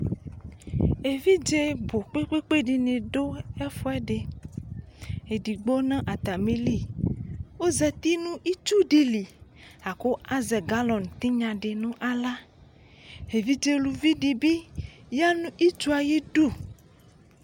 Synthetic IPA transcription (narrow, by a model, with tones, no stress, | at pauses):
e˨vi˦d͡ʒe˦bo˨k͡pe˦k͡pe˦k͡pe˦ɖi˨nẽ˨ɖo˦ɛ˦fɔ˦ɛ˦ɖe˨ | e˨ɖi˨ɡ͡bo˦nã˦ʔa˨t̪a˨me˦li˦˨ | wo˦zɛ˨t̪i˦nũ˦ʔi˦t͡ʃu˦ɖi˨li˨a˨ko˦a˦zɛ˨ɡa˦lɔ˨nt̪i˦ɲã˨ɖe˨nũ˦ʔa˨la˦ | e˨vi˦d͡ʒe˦lu˨vi˦ɖi˨bi˦ja˦nũ˦ʔi˦t͡ʃu˦a˨je˦ɖu˦˨